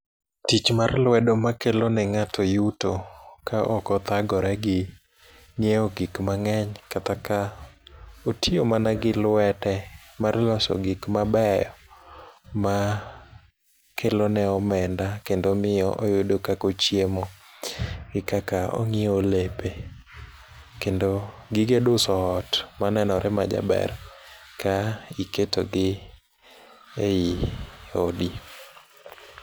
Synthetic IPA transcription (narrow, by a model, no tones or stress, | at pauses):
tit͡ʃmarlwɛdomakelonɛŋatʰɔjutokaʔɔkɔt̪aɡɔɾɛɡɪ | njeɔɡikmaŋɛɲkat̪aka | otʰiomanaɡɪlwɛtɛmarlɔsɔ̰ɡikmabɛjɔ | ma | kʰelonɛɔmɛndakendomɪjɔʔojʊdokakot͡ʃjemo | ɡɪkakao̰ŋɪolepe | kendoɡɪɡedʊsɔːtmanɛnɔɾʔɛmad͡ʒa̰bɛ̰r | kaiketo̰ɡɪ | ejiodi